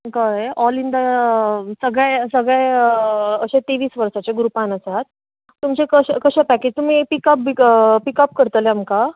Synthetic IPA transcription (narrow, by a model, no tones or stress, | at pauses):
kaɔlind̪a | səɡɭɛjsəɡɭɛj | əɕẽt̪eʋiːsʋəɾsat͡ɕeɡɾupãnəsaɦat̪ | t̪ːumt͡ɕekəɕkəɕapæked͡ʑt̪um̤ipikəp̚bikpikəp̚kəɾt̪əleamka